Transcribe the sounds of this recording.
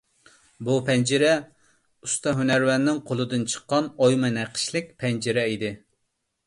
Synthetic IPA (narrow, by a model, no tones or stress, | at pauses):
bupʰɛnd͡ʒɪɾɛ | ust̪ɑɦynæɾwɛnːɪŋqʰolˠɨd̪ɨnt͡ʃʰə̥qːɑnojmɨnɛqʰə̥ʃlɪk̚ʲpʰɛnd͡ʒiɾɛid̪ɪ